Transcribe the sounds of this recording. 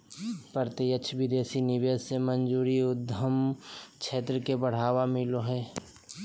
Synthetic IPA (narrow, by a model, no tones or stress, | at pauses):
pəɾt̪iət͡ʃʰbɪd̪eːsinɪʋeːsːemənd͡ʒuːɾiʊd̪ʱəmkʰeːt̪ɾəkebəɽ̤aːwamɪloɦɛː